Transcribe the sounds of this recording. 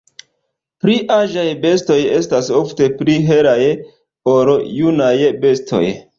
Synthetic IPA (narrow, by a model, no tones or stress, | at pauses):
pɾiʔaʒajbe̞sto̞je̞stasofte̞pɾiɦe̞ɾaj | oɾojunajbe̞stʰo̞̰j